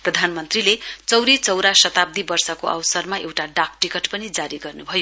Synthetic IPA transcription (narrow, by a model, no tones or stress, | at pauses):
prʌd̪ʱanmʌnt̪rilet͡sʌwɾit͡sʌwɾasʌt̪ab̚d̪ʱibʌrsʌkoʔa̰wsʌrmaʔewʈaɖak̚ʈikʌʈpʌnid͡zaɾiɡʌrnubʱʌjo